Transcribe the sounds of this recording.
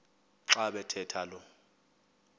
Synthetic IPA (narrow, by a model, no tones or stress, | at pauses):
ǁaɓɛtʰɛtʰalɔ